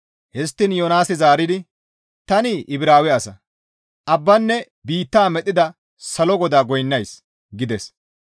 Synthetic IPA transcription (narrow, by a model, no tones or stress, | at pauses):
hɛst̪ːɪnjoːnaːsɪzaːɾɪd̪ɪ | t̪ɐnɪʔɪbɾaːwɛɐsɐ | ʔɐbːɐnːɛ | biːt̪ːaːmɛt̪ʼːɪd̪ɐ | sɐlɔɡɔd̪aːɡɔjnːɐjs | ɡɪd̪ɛs